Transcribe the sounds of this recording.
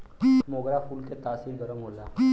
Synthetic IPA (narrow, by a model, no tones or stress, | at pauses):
moːɡɾapʰuːlket̪aːsiːɾɡəɾəmɦolaː